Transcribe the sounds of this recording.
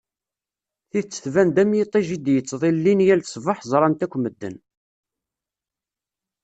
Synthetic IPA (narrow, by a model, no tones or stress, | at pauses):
θit͡sːə̥θvænd̪æmjit̪ˤːiʒid̪jət͡sːðˤillːinjælsˤvɑħzˤɾˤɑnt̪ækʷːməd̪ːə̰n